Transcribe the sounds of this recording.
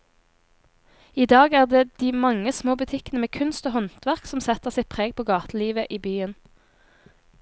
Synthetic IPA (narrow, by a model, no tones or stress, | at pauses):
iːd̪ɑːɡæːʁd̪eːd̪̥iːmɑŋəsmoːbʉt̪ʰɪkənəmeːkʰʉnst̪oːhɔnt̪ʋæʁksɔmsɛt̪əʁsɪpʰʁeːɡ̚pʰoːɡɑːt̪əliːʋəʔiːbyːən